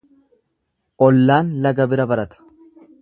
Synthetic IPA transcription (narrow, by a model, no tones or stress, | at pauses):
ʔɔlːaːnlɐɡɐbɪɾɐbɐɾɐt̪ɐ̥